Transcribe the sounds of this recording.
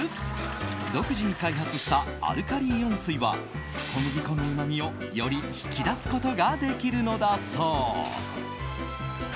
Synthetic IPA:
d̪o̞kɯ̟ʑiɲ̟ikaiɦat͡sɨɕi̥t̪aa̰ɾɯ̟kaɾʲijõ̞ɰ̃sɨiβa̰ | ko̞moɡʲiko̞nɯɯ̟mamʲio̞ | jo̞ɾʲiçi̥kʲid̪asɨ̥ko̞t̪o̞ɡad̪e̞kʲiɾɯ̟no̞d̪asoː

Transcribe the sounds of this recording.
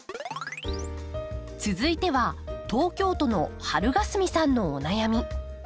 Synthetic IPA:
t͡sɨzɨit̪e̞βat̪o̞ːkʲo̞ːt̪o̞no̞haɾɯ̟ɡasɨmʲisãnːo̞ːnajamʲi

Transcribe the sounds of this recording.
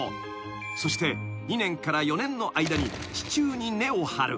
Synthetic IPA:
so̞ɕi̥t̪e̞ | ɲ̟inẽ̞ŋkaɾajo̞nẽ̞nːo̞ʔaid̪aɲ̟i | t͡ɕi̥t͡ɕɨːɲ̟ine̞ohaɾɯ̟

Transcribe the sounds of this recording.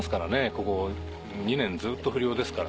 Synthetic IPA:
sɨ̥kaɾane̞ko̞ko̞ | ɲ̟inẽ̞nd͡zɨːt̪ːo̞ɸɯɾʲio̞ːd̪e̞sɨ̥kaɾa

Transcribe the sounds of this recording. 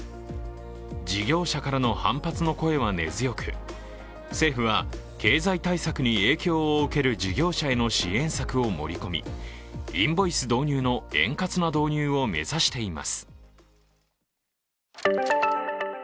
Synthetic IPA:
d͡ʑiɡʲo̞ːɕakaɾano̞hã̰mpat͡sɨno̞ko̞e̞βane̞̰zɨjo̞kɯ | se̞ːɸɯ̟βake̞ːzait̪aisakɯ̟ɲ̟ie̞ːkʲo̞ːoɯ̟ke̞ɾɯ̟d͡ʑiɡʲo̞ːɕae̞no̞ɕiẽ̞ɰ̃sakɯ̟o̞mo̞̰ɾʲiko̞mʲḭ | ĩmbo̞isɨd̪o̞ːɲ̟ʲɨːno̞ẽ̞̰ŋkat͡sɨnad̪o̞ːɲ̟ɨːo̞me̞̰zaɕi̥t̪e̞ima̰sɨ̥

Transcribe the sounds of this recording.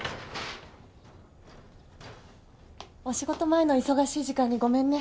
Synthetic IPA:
o̞ɕiɡo̞t̪o̞mae̞no̞iso̞ɡaɕiːʑikãɲ̟ːiɡo̞mẽ̞nːe

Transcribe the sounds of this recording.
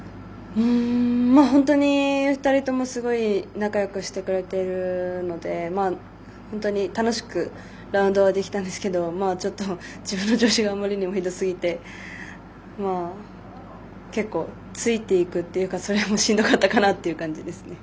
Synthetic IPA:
ɯ̟̃maɦõ̞nt̪o̞ɲ̟iɸɯ̟̥t̪aɾʲit̪o̞mo̞sɨɡo̞inakajokɯ̟ɕi̥t̪e̞kɯ̟ɾe̞t̪e̞ɾɯ̟no̞d̪e̞maː | hõ̞nt̪o̞ɲ̟it̪ano̞ɕi̥kɯ̟ | ɾaɯ̟nd̪o̞β̞ad̪e̞kʲi̥t̪ãnd̪e̞sɨ̥ke̞d̪o̞maːt͡ɕo̞t̪ːo̞d͡ʑibɯ̟nːod͡ʑo̞ːɕiɡaːmːaɾʲiɲ̟imo̞id̪o̞sɨɡʲit̪e̞ | maː | ke̞kːo̞̰ː | t͡sɨit̪e̞ikɯ̟t̪ːe̞jɯ̟kaso̞ɾe̞amo̞ɕĩnd̪o̞kat̪ːakanat̪ːe̞jɯ̟kãɲ̟d͡ʑid̪e̞sɨne̞

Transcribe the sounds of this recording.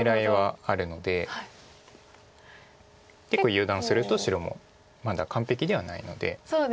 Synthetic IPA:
eɾaeβaaɾɯ̟no̞d̪e̞ha | ke̞kːojɯ̟ːd̪ãɰ̃sɨɾɯ̟t̪o̞ɕiɾo̞mo̞̰ | mad̪akãmpe̞kʲid̪e̞βanaḭno̞̰d̪e̞̰soːd

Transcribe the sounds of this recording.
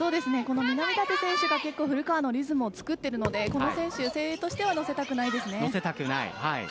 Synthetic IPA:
so̞ːd̪e̞sɨne̞ko̞no̞mʲinamʲid̪at̪e̞sẽɰ̃ɕɨɡake̞kːo̞ːɸɯ̟ɾɯ̟kaːno̞ɾʲizɨmɯ̟ot͡sɨ̥kɯ̟t̪ːe̞ɾɯ̟no̞d̪e̞ko̞no̞sẽ̞ɰ̃ɕɯse̞ːɾet̪o̞ɕi̥t̪e̞βano̞se̞t̪akɯ̟naid̪e̞sɨne̞nose̞t̪akɯ̟na̰ḭhaḭ

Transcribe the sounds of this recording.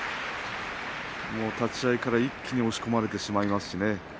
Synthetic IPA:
mo̞ːt̪at͡ɕiaikaɾaikʲːiɲ̟io̞ɕi̥ko̞maɾe̞t̪e̞ɕimaimasɨ̥ɕine̞

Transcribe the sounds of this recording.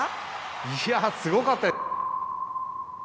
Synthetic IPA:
iasɨɡo̞kat̪ːa

